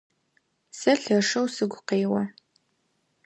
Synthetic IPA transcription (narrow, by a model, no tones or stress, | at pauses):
sɐɬɐʂɐwsɨɡʷʊqeːwɐ